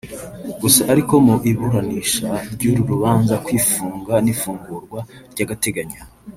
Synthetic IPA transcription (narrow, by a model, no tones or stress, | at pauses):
ɡosaʔaɾiko̞muʔiβuɾaniʃaɾɟuɾuɾuβaːnzakwiːfuːŋɡanifuːŋɡuːɾɡwaɾɟaɡate̞ɡaɲa